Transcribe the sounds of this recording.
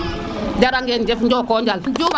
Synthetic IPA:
d͡ʒaɾaŋɡend͡ʒɛfnd͡ʒɔkɔd͡ʒalnd͡ʒuma

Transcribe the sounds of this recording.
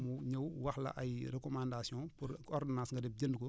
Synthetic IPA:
muɲɐwwɐxlɐ̰ʔɐjrɛkɔmãndasiɔ̃ːpuɾɔɾdinaːsŋɡɐdɛp̚ɟɐndku

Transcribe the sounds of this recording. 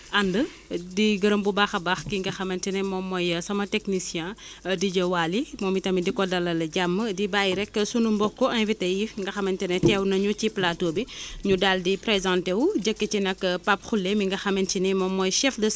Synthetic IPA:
ʔandə | diɡɐɾɐmbubaːxɐbaxkiŋɡɐxɐmɐntinɛmɔːmːɔjsɐmɐteknisjɛ̃diɟɐwaːlimɔːmitɐmidikɔdɐlɐlɐɟamːədibaːjiɾɛkːəsunumbɔkːɔʔɐ̃nvitejiŋɡɐxɐmɐntinɛtɛwnɐɲut͡ʃiplatoːbiɲudaldipɾɛzãntewuɟəkːət͡ʃinɐkːpapxulːemiŋɡɐxɐmɐntinɛmɔmːɔjʃɛfdə

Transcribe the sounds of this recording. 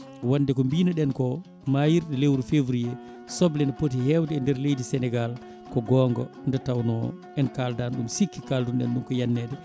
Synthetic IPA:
wandɛkɔmbiːnaɗɛnkɔ | majiɾɗɛlewɾufevɾijɛ | sɔblɛnɛpot̬ihɛwdɛndɛɾlejdisɛnɛɡal | kɔɡɔːŋɡɔ̰ndɛtawnɔ̰ | ɛnkaldanɗumsikːikaldunɗɛ̰nɗumkɔjanːɛːɗɛ

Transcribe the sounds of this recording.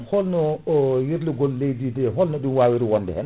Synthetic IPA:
hɔlnɔjiɾluɡɔlːejdidɛɦɔlnɔɗunwaːwiɾiwɔndɛ̰hɛn

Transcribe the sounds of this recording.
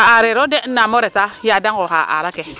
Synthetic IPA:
aaɾeɾodenamoɾesajadaŋɡoha̰ʔa̰ɾake

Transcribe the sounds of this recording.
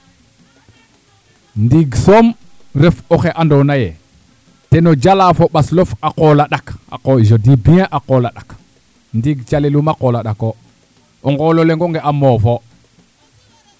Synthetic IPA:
ndiɡsom | ɾefoxeʔandonaje | tenod͡ʒalafoɓaslofaqoːlaɗaka̰koʒodibiãʔaqolaɗak | ndiɡt͡ʃalelumaqolaɗako | oŋɡololeŋɡoŋɡeʔamofo

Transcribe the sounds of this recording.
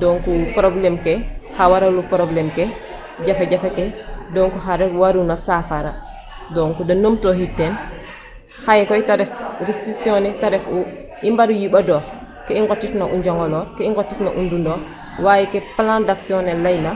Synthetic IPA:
dɔːŋkupɾɔblɛmkɛhawaɾalupɾɔblɛmkɛ | ɟafɛɟafɛkɛdɔŋkuɦaɾɛwaɾunasafaɾa | dɔːŋkudɐnomtoɦitːɛn | xajɛkɔjtaɾɛfɾistɾiksijɔnɛtaɾɛfu | imbaɾujiɓadɔːx | kɛiŋɡɔtːitnaʔuɲd͡ʒɔŋɡɔlɔːɾkɛiŋɡɔtːitna̰ʔundundɔː | waːjikɛpalãndaksiɔnɛlːajna

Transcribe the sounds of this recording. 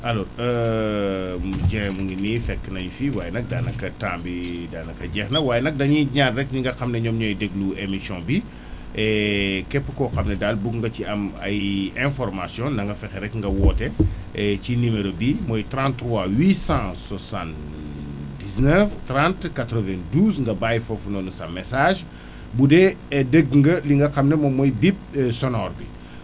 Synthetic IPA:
ɐlɔːɾə | ɟɛŋmuŋɡiniːfɛkːnɐɲufiwaːjɛnɐk̚daːnɐkːɐtãːmbidaːnɐkɐɟɛxnɐwaːjnɐk̚dɐɲiɲaːnɾɛk̚ɲiŋɡɐxɐmnɐɲɔːmɲɔjdɛɡluemisjɔ̃bi | ɛkɛpːəkɔxɐmnɐdalbukŋɡɐciɐmɐ̰jɛ̃fɔɾmasjɔ̃ndɐŋɡɐfɛxɛɾɛkŋɡɐwɔːtɛ | ɛcinimeɾobimɔjtɾãntːɾwawiːsãswɐsãn | diznɛftrãntkatɾɔvɛ̃nduːzŋɡɐbaːjfɔfunɔnusɐmːɛsaːʒ | budɛdeɡŋɡɐliŋɡɐxɐmnɐmɔmːɔjbip̚sɔnɔːrbi

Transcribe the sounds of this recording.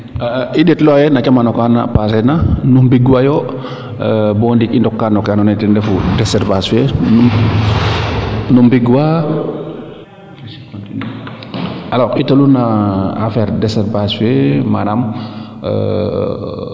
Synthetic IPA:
iɗɛtlɔjɛnat͡ʃamanɔkana̰pasɛnanumbiɡwajo | bɔndikindɔkːanɔkanɔnɛtɛndɛfudɛsɛɾbaswenu | numbiɡwa | alɔkitolunaafɛɾdɛsɛɾbaswema̰dam̰

